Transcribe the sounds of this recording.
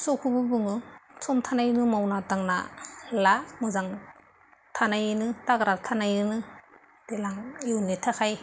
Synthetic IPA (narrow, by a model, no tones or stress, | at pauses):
sɔkʰubɯbɯŋɯsʰɔmtʰanajnɯmawnataŋna̰lamɯzaŋ | tʰanajɯnɯtaɡɾatʰanajɯnɯ | d̥elaŋiwnitʰahaj